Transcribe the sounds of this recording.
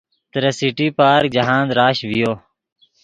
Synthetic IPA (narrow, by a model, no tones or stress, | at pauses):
t̪ɾesiʈiːpaːɾd͡ʒəɦãːnd̪ɾaːʃʋɪjoː